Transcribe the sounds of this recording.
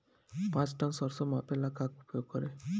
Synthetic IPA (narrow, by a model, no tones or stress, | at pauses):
pãt͡sʈansɔɾsɔmãpelakakupʰjoɡ̚kɔɾe